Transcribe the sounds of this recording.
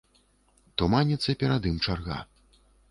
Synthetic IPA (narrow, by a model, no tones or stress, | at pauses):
t̪umanʲit̪sːɐpʲɛɾad̪ɨmt͡ʂarɣa̰